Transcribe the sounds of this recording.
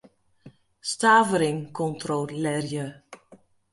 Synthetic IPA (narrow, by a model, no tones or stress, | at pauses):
staːvəɾɪŋkʰɔntrolɛrjə